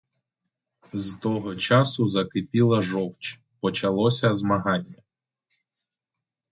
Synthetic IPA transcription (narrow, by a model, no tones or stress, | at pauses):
zt̪ɔɦɔt͡ʃɑsʊzɐkɪpʲilˠɐʒɔwt͡ʃ | pɔt͡ʃɐlˠɔsʲɐzmɐɦɑnʲːɐ